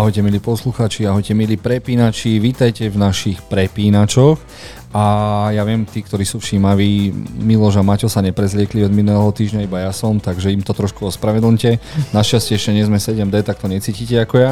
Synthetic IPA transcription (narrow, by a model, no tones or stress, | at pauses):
aɦɔjcɛmiliːpɔsluxaːt͡ʃiaɦɔjcɛmiliːpɾɛpiːnat͡ʃiʋiːt̪ajcɛvnaʃixpɾɛpiːnat͡ʃɔx | ajaʋɪɛmt̪iːkt̪ɔɾiːsuːfʃimaʋiːmilɔʒamacɔsaɲɛpɾɛzlɪɛkliɔd̪minulɛɦɔt̪iːʒɲaibajasɔmt̪aɡʒɛimt̪ɔt̪ɾɔʃkuɔspɾaʋɛd̪lɲcɛnaʃascɛɛʃɛɲɛzmɛsɛɟɛmd̪ɛt̪ak̚t̪ɔɲɛt͡siːcicɛakɔja